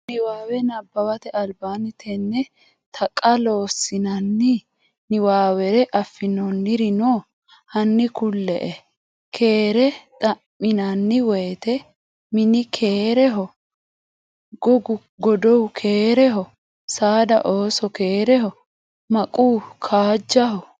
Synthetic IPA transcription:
nɪwaːwɛnɐbːɐwɐt̪ɛɐlbaːnɪt̪ʰɛnːɛ | t̪ʰɐkʼːɐlo̞ːsɪnɐnːɪ | nɪwaːwɛɾɛʔɐfːɪnɔnːɪɾɪno | hɐnːɪkʊlːɛ̰ʔɛ | kʰe̞ːɾɛt̪ʼɐʔːɪnɐnːɪwɛjt̪ɛ | mɪnɪkʰeːɾɛɦɔ | ɡɔɡʊ | ɡɔd̪ɔwkʰeːɾɛɦɔ | saːd̪ɐ̰ʔoːsɔkeːɾɛhɔ | mɐkʼuːkʰaːd͡ʒːɐhɔ

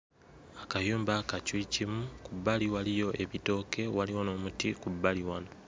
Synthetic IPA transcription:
akajuːmbakacwicimukubːaliwalijo̞ʔe̞βito̞ːke̞waliwono̞ːmutikubːaliwano

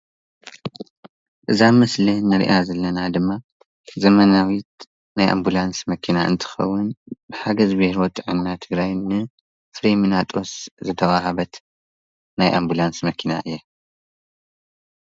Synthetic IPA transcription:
ʔɨzamɐslinɨɾḭʔazɐlːɐnad̪ɨmːa | zɐmɐnawit̪̚ | najʔa̰mbulansmɐkʰinaʔɨ̰nt̪ʰɨ̥xɐ̰wːʊnbɨħaɡɐzbihɾwɔt̪ʼɨʕɨnːat̪ʰɨɡɾajnɨ | fɾiminat̪ʼoszɨt̪ʰɐwʼahɐβɐt̪ | najʔa̰mbulansmɐkʰinaʔɨjːe

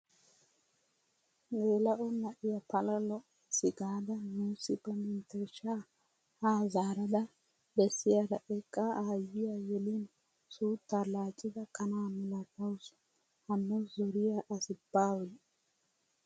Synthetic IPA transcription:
meːlɐʔɔnːɐʔɪjɐpɐlɐlɔʔ | sɪɡaːd̪ɐnuːsɪpːɐmɪnt̪ɛʃaː | haːzaːɾɐd̪ɐ | bɛsːɪjad̪ɐ̰ʔɛkʼːaaːjɪjajɛlɪn | suːt̪ːalaːt͡ʃʼɪd̪ɐkʼɐnaːmɛlɐɡʼɐws | hɐnːɔzɔɾɪjaʔɐsɪbːaːwɔ

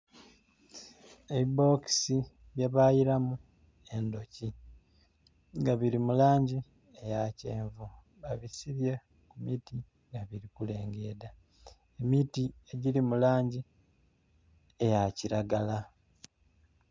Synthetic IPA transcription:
eβibo̞ksi | βjaβaːjiɾamu | e̞ndo̞ci | ŋɡaβiɾimulaːɲɟi | ejaceːɱvu | βaβisiβja | kumiti | ŋɡaβiɾikule̞ːŋɡe̞ːda | emitie̞ɟilimulaːɲɟi | ejaciɾaɡala

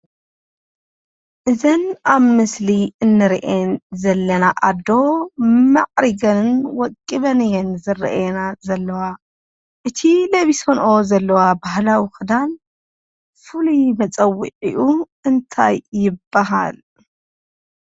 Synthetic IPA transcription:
ʔɨzɐnʔaβmɨsliɨnːɨɾiʔenzɐlːɐnaʔad̪o̞mɐʕɾiɡɐnwɔkʼːiβɐnjɛnzɨɾ̰ʔenazɐlːɐwa | ʔɨt̪ʰilɐβisonʔo̞zɐlːɐwabahlawixɨd̪an | fulumɐt͡sʼɐwːiʕiʔu | ɨnt̪ʰajːɪbːaɦa̰l

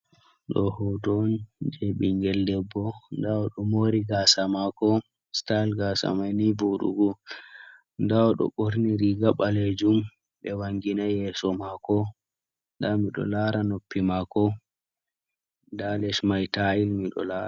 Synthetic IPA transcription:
ɗɔhɔdɔnd͡ʒɛɓiŋɡɛldɛbːɔndawɔɗɔmoɾiɡasamakɔ | stalɡasa̰majnibuɗṵɡu | ndawɔɗɔ̰ɓoɾniɾiɡaɓaled͡ʒum | ɓɛwaŋɡinajɛsɔmakɔ | ndamiɗɔ̰laɾanopːimakɔ | dalɛʃmajtailmiɗɔ̰la

